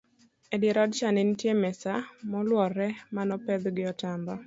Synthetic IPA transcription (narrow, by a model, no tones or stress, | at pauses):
ɛdjeɾɔdt͡ʃanɪntjemɛsamɔlwɔrːɛmanɔpɛd̪ɡɪɔtambɔ